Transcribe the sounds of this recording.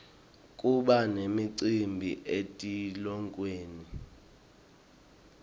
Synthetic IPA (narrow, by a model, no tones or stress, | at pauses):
kʼuɓanemiǀimbʱḭʔetʼilɔŋkʼweːni